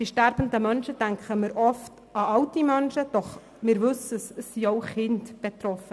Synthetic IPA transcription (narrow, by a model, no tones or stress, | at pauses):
d̥iʃtæɾb̥ən̩dəmœnʃəd̥æŋkχəmɪɾʔɔft | ɑɑwtimœnʃəd̥ɔχ | mɪɾʋɵsəsəsːiɔʊχɪndb̥et̪ɾɔfə